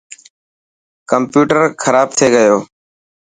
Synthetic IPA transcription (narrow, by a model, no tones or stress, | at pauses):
kəmpjuːʈəɾkʰəɾaːb̚t̪ʰeːɡəjoː